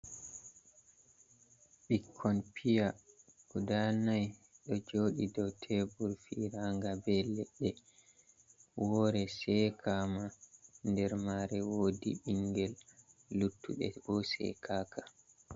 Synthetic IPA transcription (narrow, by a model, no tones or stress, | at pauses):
ɓikʰːɔnpʰijakudanajɗɔd͡ʒoːɗidɔwtʰɛbuɾfiɾaŋɡabɛlɛɗːɛ | wɔɾɛsɛkʰamandɛɾmaɾɛwoːdḭiŋɡɛlːutːuɗɛ̰bɔsɛ̰kʰaːkḁ